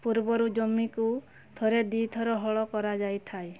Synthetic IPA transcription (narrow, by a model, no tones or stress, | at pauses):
puɾbɔɾud͡ʒɔmiku | t̪ʰɔɾed̪it̪ʰɔɾɔɦɔɭɔkɔɾad͡ʒajt̪ʰaej